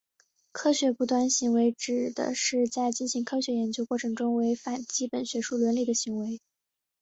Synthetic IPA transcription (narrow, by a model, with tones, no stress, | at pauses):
kʰɤ˥ɕɥɛ˧˥pu˧˥˩t̪wa˥˩nɕi˧˥ŋwe˧˥ɪʈ͡ʂɻ̩˨˩d̪ə̰˩˦ʂɻ̩˥˧t͡sa˥˩ɪt͡ɕi˥˩nɕi˧˥ŋkʰɤ˥ɕɥɛ˧˥jɛ˧˥nt͡ɕjo˥ʊkwɔ˥˩ʈ͡ʂʰɤ˧˥ŋʈ͡ʂʊ˥ŋwe˧˥ɪfa˨˩nt͡ɕi˥pə˨˩nɕɥɛ˧˥ʂu˥˩lwɛ˧˥nli˥˩d̪ə˩ɕi˧˥ŋwe˧˥ɪ